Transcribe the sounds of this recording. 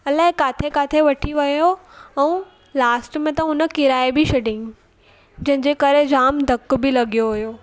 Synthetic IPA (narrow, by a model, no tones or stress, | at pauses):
ɐlaːɦẽkaːt̪ʰekaːt̪ʰeʋɐʈʰiʋɐjoɛ̃ũ | laːsʈmẽt̪ɐʊnə̆kɪɾaːebʱiʃɐɖɪ̃ŋɡ | d͡ʑɐ̃ɦɪ̃ɲd͡ʑeːkɐɾed͡ʑaːmd̪ʱɐkbɪlɐɡijoʋʊjoː